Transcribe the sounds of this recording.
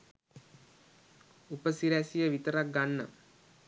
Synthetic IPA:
upəsiɾæsijɐʋit̪ɐɾɐk̚ɡɐɳːɐ̰m

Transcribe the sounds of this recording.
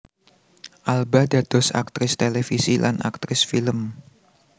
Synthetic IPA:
ʔalbadad̪̥ɔsa̰k̚t̪ɾɪst̪elefisilʔa̰nʔa̰k̚t̪ɾɪsfiləm

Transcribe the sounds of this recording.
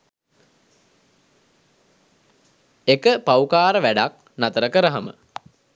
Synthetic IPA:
ekəpaukaːɾəʋæɖak̚ | nat̪əɾəkəɾəɦamə̰

